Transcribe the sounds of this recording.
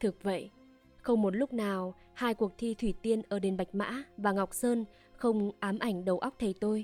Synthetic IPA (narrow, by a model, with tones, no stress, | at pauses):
t̪ʰɨ˨˩ək̚və̰˧˨j | xə˧wŋ͡mmo˨˩t̚lʊ˦˥k͡p̚naː˨˩w | haː˧jku˨˩ək̚t̪ʰi˧t̪ʰwi˧˩t̪i˧ənʔəː˧˩ɗe˨˩nɓa˨˩jk̟̚ma̰ː˧˥vaː˨˩ŋa˨˩wk͡p̚səː˧n | xə˧wŋ͡mʔaː˨˦mʔa˧˩jŋ̟ɗə˨˦wʔa˦˥k͡p̚t̪ʰe˨˩jt̪o˧j